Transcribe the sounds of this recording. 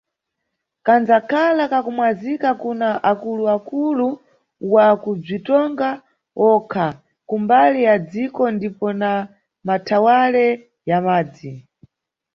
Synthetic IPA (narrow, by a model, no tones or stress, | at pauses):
kand͡zakʰalakakumwazikakunaʔakuluakulu | wakub͡ʐitɔŋɡa | ɔkʰa | kumbalijad͡zikɔndipɔna | matʰawalɛ | jamaːd͡zi